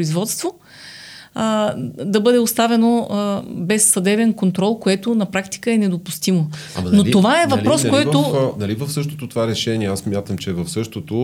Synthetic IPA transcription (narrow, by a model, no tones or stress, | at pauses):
izvɔt̪st̪vo | d̪ɐbɤd̪ɛost̪avɛno | bɛsːɐd̪ɛbɛnkont̪ɾɔlˠkoɛt̪ʊnɐpɾakt̪i̥kəɛnɛd̪opust̪imo | ɐ̰mɐnotiovaɛvɐplɾɔskkojɛt̪onɐlivɐfsɤʃt̪o̥t̪ot̪ovaɾɛʃɛniɛasmʲjat̪əmt͡ʃɛvɐfsɤʃt̪ot̪o